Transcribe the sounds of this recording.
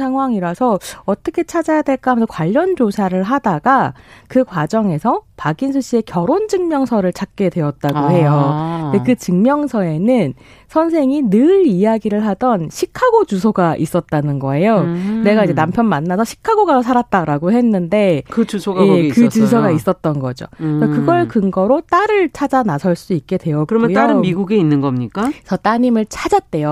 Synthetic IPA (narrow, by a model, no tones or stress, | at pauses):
sʰaŋɦwaŋiɾasʰʌʌt͈ʌkʰe̞t͡ɕʰad͡ʑajadwe̞ɭk͈aɦamentʰkwaʎːʌnd͡ʑosʰaɾɯɭɦadaɡakɯkwad͡ʑʌŋe̞sʰʌpaɡinsʰuɕ͈ie̞kjʌɾond͡ʑɯŋmjʌŋsʰʌɾɯɭt͡ɕak̚k͈e̞dwe̞ʌt̚t͈aɡoɦe̞jonde̞kɯt͡ɕɯŋmjʌŋsʰʌe̞nɯn | sʰʌnsʰe̞ŋinɯɾijaɡiɾɯɭɦadʌnɕʰikʰaɡod͡ʑusʰoɡaʔis͈ʌt̚t͈anɯnɡʌe̞jone̞ɡaid͡ʑe̞nampʰjʌnmanːasʰʌɕʰi̥kʰaɡoɡaɾosʰaɾat̚t͈aɾaɡoɦe̞nːɯnde̞kɯusʰoɡjekɯt͡ɕusʰʌɡais͈ʌt̚t͈ʌnɡʌd͡ʑo̰kakɯɡʌɭkɯŋɡʌɾot͈aɾɯɭt͡ɕʰad͡ʑanasʰʌɭs͈uik̚k͈e̞dwe̞jʌkɯɾʌmujtaɾɯnmiɡuɡeinːɯnɡʌmɲik͈asʌt͈aɲimɯɭt͡ɕʰad͡ʑat̚t͈e̞jo